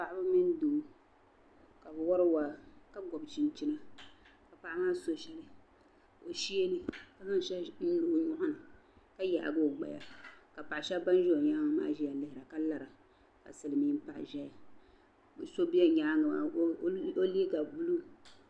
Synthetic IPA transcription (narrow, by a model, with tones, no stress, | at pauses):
pa˨ʔa˦ba˦mi˦n˦du˨˦ | ka˨bwɔ˦ɾɨ˦wa˦ka˦ɡɔ˨bt͡ʃi˨nt͡ʃi˦na˦ | ka˨pa˨ʔa˦maː˦so˦ʃɛ˦lɨ˦ | o˨ʃi˦e˦nɨ˦ka˨za˦n˦ʃɛ˦n̩˦lu˨ɡɲʊ˦ʔʊ˦nɨ˨ka˦ja̰˨ʔa̰˨ɡo˦˨ɡ͡ba̰˨ja̰˨ka˨pa˨ʔa˨ʃɛ˦ba˦n˦ʒo˦˨ɲa˦ŋa˦ma̰ː˦ʒi˦ja˨lɪ˦hɪ˨ɾa˨ka˦la˨ɾa˨ | ka̰˨sɨ˨lɨ˨mi˦m̩˦pa˨ʔʒɛ˦ja˨ | so˦bi˦a˦ɲa˦ŋ˨a˨˦o˦li˦ɡa˨bu˦lu˦